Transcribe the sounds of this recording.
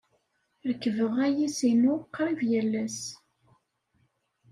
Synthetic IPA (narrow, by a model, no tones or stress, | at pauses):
ɾəkːəvəʁæjisinʊqːɾˤivjælːæs